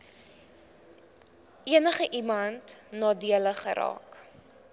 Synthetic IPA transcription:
iənəχəʔimɐntnɑːdiələχə̰ɾɑ̰ːk

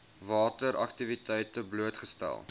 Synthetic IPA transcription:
vɑːtəɾɐ̰ktivitɛjtəbluətχəstæ̰lˠ

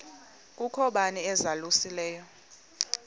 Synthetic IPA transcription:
kʼukʰɔɓaniɛzalusilɛːjɔ

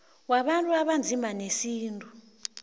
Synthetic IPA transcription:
waɓantʼuaɓand͡zʱimbʱanesiːntʼu

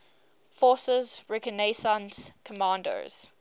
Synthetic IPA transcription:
fɔːˑsəzɹɛkənesãnskʰəmɑ̃ːndə̰z̥

